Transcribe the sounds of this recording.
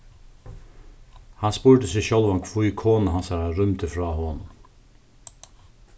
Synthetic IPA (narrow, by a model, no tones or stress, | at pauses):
hanspuːɹt̪əsɪʃœlʋankʰvujkʰoːnaɦansaɾaɾʏmt̪əfɾaːɦɔːnn